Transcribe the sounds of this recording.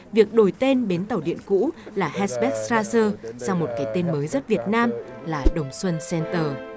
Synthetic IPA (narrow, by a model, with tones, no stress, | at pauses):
vi˨˩ək̚ɗo˧˩jt̪e˧nɓe˨˦nt̪a˨˩wɗḭ˧˨ənkṵ˧˥laː˨˩hɛ˧sɓɛ˦˥k̚sɾaː˧səː˧saː˧wŋ͡mmo˨˩t̚kaː˨˦jt̪e˧nməː˨˦jzə˦˥t̚vi˨˩ət̚naː˧mlaː˨˩ɗə˨˩wŋ͡mswə˧nsɛ˧nt̪əː˨˩